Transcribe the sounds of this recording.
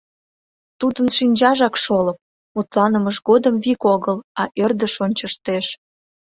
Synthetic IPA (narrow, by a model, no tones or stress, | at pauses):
t̪ud̪ənʃinʲd͡ʑɑʒɑkʃoləp̚ | ut̪lɑnəməʒɣod̪əmvikoɣəlɑʔørd̪əʃonʲt͡ɕəʃt̪eʃ